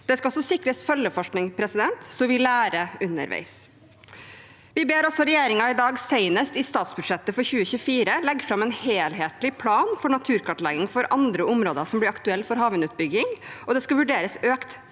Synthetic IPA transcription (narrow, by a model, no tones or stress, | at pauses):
d̪̥ɛskɑɔlsɔsɪkɾəsfœlːəfɔʂknɪŋpʰɾɛsɪd̪ɛnt̪sɔʋɪlæːɾəʉnə̰ɾʋæ̰ɪs | ʋɪbeːɾɔsɔɾɛjeːɾɪŋɑɪd̪ɑːɡsæɪnəst̪ɪst̪ɑːt̪sbʉd̪ʂɛt̪ːəfɔɾçʉːəçʉːfiːɾəlɛɡːfɾɑmɛnheːlɦeːt̪lɪpʰlɑːnfɔɳɑt̪ʰʉːɾkʰɑʈlɛɡɪŋfɔɾʔɑnd̪ɾəʔʊmɾoːd̪əsɔmblɪɾɑkt̪ʉɛlːfɔɾɦɑːʋənʉːt̪̚bʏɡɪŋɔd̪ɛskɑʋʉɖeːɾəsøːkt̪